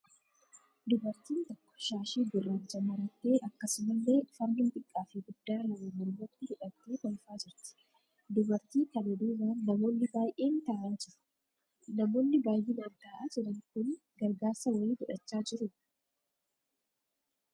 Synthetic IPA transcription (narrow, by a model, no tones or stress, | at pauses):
d̪ʊbɐɾt̪iːnt̪ɔkːɔ̥ʃaːʃiːɡ̪ʊraːnd͡ʒɐmɐɾɐt̪ːe̞ːʔɐkːɐsʊmɐlːe̞ːfɐɾmɪnt̪ʼɪkʼːaːfɪɡʊd̪ːaːlɐwemʊlbɐt̪ːɪhɪᶑɐt̪ːeːt̪ɐlfaːd͡ʒɪɾt̪ɪ̥ | d̪ʊbɐɾt̪iːk̪ɐbɛd̪uːwaːnːɐmo̞ːnːɪbaːjʔeːnt̪aːʔaːd͡ʒɪɾʊ̥ | nɐmo̞ːnːɪbaːjʔeːd̪ɐnt̪aːʔaːd͡ʒɪɾɐŋkʊn | ɡɐɾɡaːɾsɐwɐiːbʊᶑɐt͡ʃːaːd͡ʒɪɾʊ